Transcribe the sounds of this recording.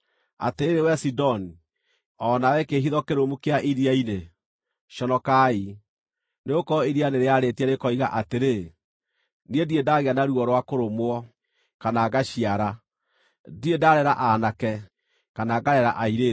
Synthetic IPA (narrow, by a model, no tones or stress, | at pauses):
a̰teeɾewɛsidɔni | ɔnawɛkeɦiðɔkeɾomukeaʔiɾiaine | ʃɔnɔkai | neɣokɔiɾianeɾeaɾetiaɾekɔiɣa̰ʔateɾe | niediedaːɣeanaɾuɔɾwakoɾomoɔ | kanaɡaɕiaɾa | diedaɾɛɾaʔanakɛ | kanaɡaɾɛɾaʔaiɾe